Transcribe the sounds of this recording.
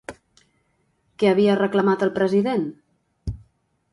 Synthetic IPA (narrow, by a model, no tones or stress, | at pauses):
kɛəβ̞iərəkləmat̪əlˠpɾəziðen